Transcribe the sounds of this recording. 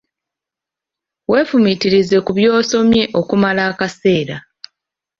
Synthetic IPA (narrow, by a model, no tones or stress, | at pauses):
we̞ːfumitiɾize̞kuβjo̞ːso̞mje̞ʔo̞kumalaːkase̞ːɾa